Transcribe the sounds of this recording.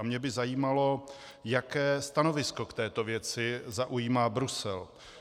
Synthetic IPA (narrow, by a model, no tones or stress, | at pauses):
mɲɛbɪzajiːmalo̞ | jakɛːst̪ano̞vɪsko̞kt̪ɛːt̪o̞vjɛt͡sɪzaʔujiːmaːbɾusɛl